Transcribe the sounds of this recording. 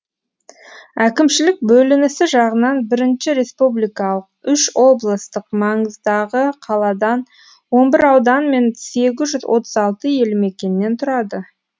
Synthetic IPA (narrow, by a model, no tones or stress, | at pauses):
ækʲɪmʃɪlɪk̚bɵlɪnɪsɪʒɑʁənɑnbɪɾɪnʃɪɾe̞spublijkɑlˠəq̚ʏʃwo̞blˠəst̪əqmɑɴəzd̪ɑʁəqʰɑlˠɑd̪ɑn | wo̞nbɪɾɑwd̪ɑnme̞nse̞ɡʲɪzʒʏzwʔo̞̰t̪ʰəzɑlˠt̪əje̞lɪme̞kʲe̞nɪːe̞nt̪ʰʊɾɑd̪ə